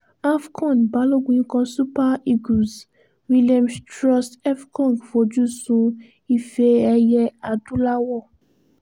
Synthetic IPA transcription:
a˦fkʰɔ̃˦˨nba˨lo˦ɡʷĩ˦kɔ̃˧su˦pa˦i˦ɡu˨s | wi˦liã˦mstɹɔ˦stɛ˦fkʰɔ̃˦˨ŋɡfo˨d͡ʒu˦˨sũ˦ | i˦fe˧ɛ˧jɛ˦a˨du˦la˦wɔ˦˨

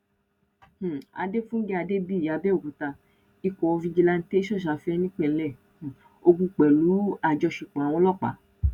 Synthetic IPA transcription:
h̩˨a̰˨˧de˦fũ˦n̩˦ɡe˦a˧de˦bi˦˨a˨˧bɛ˦o˦˨ku˨ta˧ | i˨˧kɔ˨ɔ˧fĩ˧d͡ʒi˧la˧n̩˦te˦i˦ʃɔ˦˨ʃ̬a˨˦fi˦ɛ˧nĩ˦k͡pɛ˦˨˦lɛ̃˦˨ | o˧ɡũ˧k͡pɛ˨lu˨˦a˦˨d͡ʒɔ˧˦ʃi˧k͡pã˨w̃ɔ̃˧˦lɔ˦˨k͡pa̰˨˦

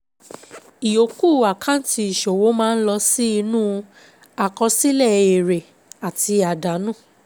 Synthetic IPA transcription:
i˨jo˨˦ku˦˨a˨kʰã˦˨n˦ti˧i˨ʃo˨wo˨˦mãː˦n̩˦lɔ˧si˦i˧nũ˦ | a˨kɔ˧si˦lɛ˦˨e˨ɾe˨ | a˨ti˧a˨da˨˦nũ˦˨

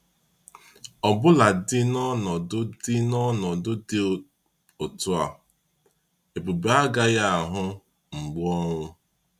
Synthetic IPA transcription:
ɔ˨bʊ˦la˨dɪ˦nɔ˦nɔ˨dʊ˦dɪ˦nɔ˦nɔ˨dʊ˦dɪ˦˨ | o˨tʊ˦a˨ | e˨bu˨be˨˦a˦ɡa˦ja˦a˨ɦʊ˦ | ŋ͡m̩˨ɡ͡bʊ˦ɔ˦ŋʷʊ˦

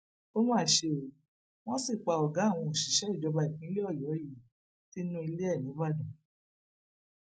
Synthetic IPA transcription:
o˦mãː˦˨ʃe˧˦˨ | w̃ɔ̃˦si˦˨k͡pa˧ɔ˨ɡã˨˦˨w̃ɔ̃˧o˨ʃi˨ʃɛ˦i˦˨d͡ʒɔ˨˧ba˧i˨kĩ˨˦lɔ˦˨jɔ˨˦ji˦˨ | ti˦nũ˦i˧le˦ɛ˦˨nĩ˨˦ba˦˨dũ˨

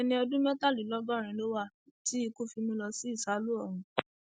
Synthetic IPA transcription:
ɛ˧nĩ˧ɔ˧dũ˦mɛ˦ta˦˨li˨˦lɔ˨˦bɔ˦˨ɾ̃ĩ˨˦lo˦wa˦˨ | ti˨˦i˧ko˦fi˧mũ˧lɔ˧si˦i˦˨sa˨˦lu˦ɔ˦˨ɾ̃ũ˧

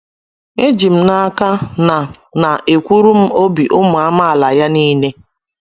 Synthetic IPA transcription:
e˦d͡ʒi˨m̩˦na˦ka˦na˨ | na˨ʔe˨kʷu˦ɾu˦m̩˦o˦bi˨ʔʊ˦mʊ˨a˦ma˦a˨la˨ja˦niː˦ne˦

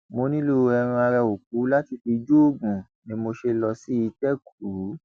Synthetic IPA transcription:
mo˧nĩ˦lo˦˧ɛ˧ɾ̃ũ˧a˧ɾɛ˧o˨k̚u˨˦la˦ti˧fi˧d͡ʒu˦o˦˨ɡũ˨ | nĩ˨˦mo˧ʃe˧lɔ˧si˦i˧tɛ˦ku˨u˨˦

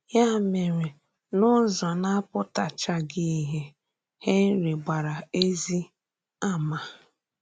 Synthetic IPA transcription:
ja˦˨me˨ɾe˨ | nʊ˦zɔ˨na˦pʊ˦ta˨t͡ʃa˨ɡi˦i˦ɦe˨ | he˦n̩˦ɾi˨ɡ͡ba˨ɾa˨e˦zi˦ | a˦ma˨

